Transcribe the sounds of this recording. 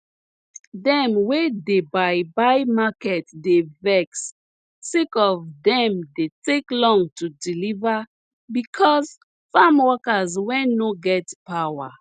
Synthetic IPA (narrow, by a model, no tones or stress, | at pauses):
dɛ̃mwedebajbajmakɛtdevɛksː | ekɔvdɛ̃mdeteklɔ̃ŋtʰudiliva | bikʰɔz | famwɔkazwɛ̃noɡɛtpawa